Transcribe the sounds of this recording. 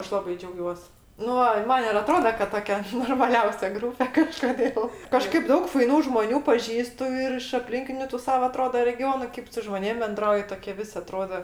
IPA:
ˈɐʃ lˠɐˈbɐɪ d͡ʒʲɛʊˈɡʲuɔs ˈnʊ ɐɪ ˈmɐn ɪr ɐˈtroːdɐ kɐt ˈtoːkʲɛ noːrmɐˈlʲɛʊsʲɛ ˈɡruːpʲɛ kɐʃkoːˈdʲeːlˠ ˈkɑːʃkɐɪp ˈdɐʊk fɐɪˈnuː ʒmoːˈnʲuː pɐˈʒʲiːstʊ ɪr ɪʃ ɐpʲˈlʲɪŋʲkʲɪnʲʊ tʊ ˈsɑːʋɐ ɐˈtroːdɐ rʲɛˈɡʲoːnʊ ˈkʲeːp sʊ ʒmoːˈnʲeːm bʲɛnˈdrɐʊjɪ ˈtoːɪɛ ˈʋʲɪsʲ ɐˈtroːdoː

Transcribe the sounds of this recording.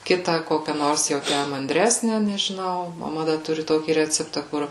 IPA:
ˈkʲɪtɑː ˈkoːkʲɛ ˈnoːrs jɛʊ ˈtʲæ mɐnʲˈdʲrʲæːsʲnʲɛ nʲɛʒʲɪˈnɐʊ mɐˈmɐ ˈdɐ ˈtʊrʲɪ ˈtoːkʲiː ˈrʲæːt͡sʲɛptɑː ˈkʊr

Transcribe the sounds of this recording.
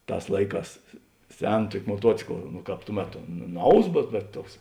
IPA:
ˈtɑːs ˈlˠɐɪˌkɑːs ˈsʲɛn ˈtuɔkʲɪ moːˈtuɔt͡sʲɪklˠ nʊ ˈkɑːp tuː ˈmʲæːtoː ˈnɐʊs bʲɛt bʲɛt ˈtuɔks

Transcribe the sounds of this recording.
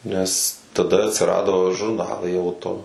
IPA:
nʲɛs tɐˈdɐ ɐtʲsʲɪˈrɑːdoː ʒʊrˈnɑːlˠɐɪ ˈɐʊtoː

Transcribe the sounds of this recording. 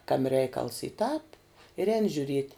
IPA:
ˈkɑːmʲɪ ˈrʲɛɪkɐlˠs iː tɑːp ɪr ˈɛːnʲɪ ʒʲʊˈrʲiɛtʲ

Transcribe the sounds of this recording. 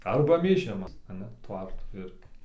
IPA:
ˈɐrbɐ mʲeːˈʒʲɪmɐs ɐˈnɐ ˈtʋɐrtuː ˈɪrʲɡʲɪ

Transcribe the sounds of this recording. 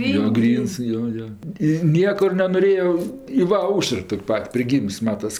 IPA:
joː ˈɡrʲiːns ˈjoː ˈjoː ɪ ˈnʲiɛkʊr nʲɛnoːˈrʲeːoː ɪ ˈʋɐ ˈɐʊʃər ˈtoːkʲ ˈpɐtʲ pʲrʲɪˈɡʲiːms ˈmɑːtɐs

